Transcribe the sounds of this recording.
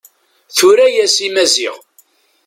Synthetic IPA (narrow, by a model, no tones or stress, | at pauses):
θuɾæjæsimæzḭʁ